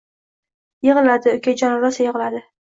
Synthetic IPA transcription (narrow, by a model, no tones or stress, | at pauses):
jeʁɨlad̪ɪʊkʲʰad͡ʒɒnɾasajeʁɨlad̪ɪ